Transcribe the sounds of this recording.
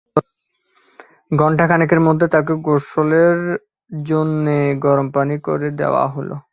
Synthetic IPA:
ɡɔɳʈʰakʰanikeɾmod̪ʱːet̪ak̬eɡoʃoleɾ | d͡ʑonːeɡɔɾompaniko̰ɾed̪ḛoa̰ɦolo̰

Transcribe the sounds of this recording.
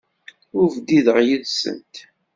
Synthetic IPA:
ʊɾvd̪iðəʁjəðsə̰nt̪

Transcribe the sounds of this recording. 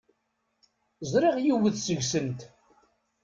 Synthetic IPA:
zɾiʁjiwəθsəʝsənt̪

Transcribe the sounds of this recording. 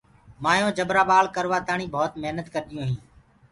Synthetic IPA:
maːjõːd͡ʒəbɾaːbaːlkəɾʋaːt̪aːɳĩːbʱoːt̪meɦnət̪kəɾɗɪjõːɦĩː

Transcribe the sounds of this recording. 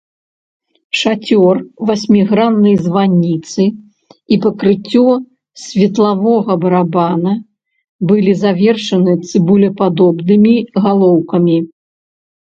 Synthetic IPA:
ʂat͡sʲɔrvasʲmʲiɣɾanːɐjzvanʲːit̪sɨ | ipɐkɾɨt͡sʲːɔ | sʲvʲɛt̪lˠavɔɣɐbɐɾabanɐ | bɨlʲizavʲɛrʂɐnɨt̪sɨbulʲɐpad̪ɔbnɨmʲiɣalˠɔwkɐmʲi

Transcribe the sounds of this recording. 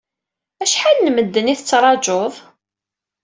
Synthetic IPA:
æʃħalnməd̪ːəniθət͡sːɾˤɑd͡ʒoðˤ

